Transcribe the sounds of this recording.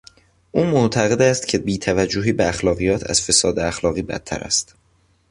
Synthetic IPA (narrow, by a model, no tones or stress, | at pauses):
ʔuːmoʔt̪ʰæɣe̞d̪æst̪cʰebiːt̪ʰævæd͡ʒːoɦiːbeæxlɒːɣijɒːt̪ʰæ̰z̥fe̞sɒːd̪eæxlɒːɣiːbæ̰t̪ʰːæ̰ɾæ̰st̪